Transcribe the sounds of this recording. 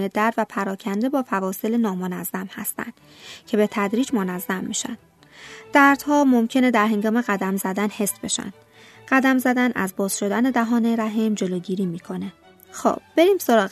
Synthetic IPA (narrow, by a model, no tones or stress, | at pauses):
ned̪æɾd̪væpʰæɾɒːcʰænd̪e̞bɒːfævɒːse̞lenɒːmonæzːæmhæ̰st̪æ̰nd̪̥ | cʰe̞be̞t̪ʰæd̪ɾiːd͡ʒmonæzːæmːiʃæ̰nd̥̪ | d̪̥æɾd̪̥hɒːmomcʰe̞ned̪æɾɦe̞ŋɡɒːme̞ɣæd̪æmzæd̪ænhe̞sbe̞ʃæ̰nd̪̥ | ɢ̥æd̪æmzæd̪ænʔæ̰zbɒːz̥ʃo̞d̪æne̞d̪æɦɒːneɾæɦimd͡ʒe̞loːɟiːɾiːmiːkʰo̞ne̞ | xo̰b̥̚b̥e̞ɾiːmso̞ɾɒːɣ